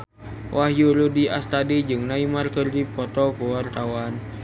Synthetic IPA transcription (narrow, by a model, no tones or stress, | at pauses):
wʔaɦjuludia̰st̪adid͡ʒɨŋnaimarkɨrdipɔt̪ɔkuwart̪awan